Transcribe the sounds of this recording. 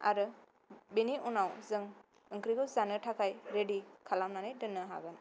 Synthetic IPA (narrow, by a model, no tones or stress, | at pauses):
a̰ɾɯ | beniʔunawzɯŋ | ɯŋkɾiɡɯwzanɯtʰakʰajɾedikʰalamnanajdɯnːɯɦa̰ɡɯn